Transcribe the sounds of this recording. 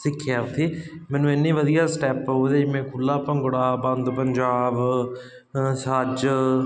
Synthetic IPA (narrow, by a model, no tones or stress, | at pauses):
sɪkʰːjaːt̪ʰiːmɛ̃ːnũːenːiːʋəd̪ijaːsʈɛːpɦoːd̪eːmẽːkʰʊlːaːpəŋɡɽaːbə̃nd̪pəɲd͡ʒaːb | saːd͡ʒ